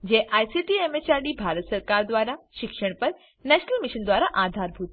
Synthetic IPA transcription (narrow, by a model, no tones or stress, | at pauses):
d͡ʑẽːʔaːjsiːʈiemet͡ɕaːɾɖibʱaːɾət̪sɐɾkaːɾd̪waːɾaʃɪkʃəɽ̃pɐɾ | nɛːʃnəlmɪʃənd̪waːɾaʔaːd̪ʱaːɾbʱut̪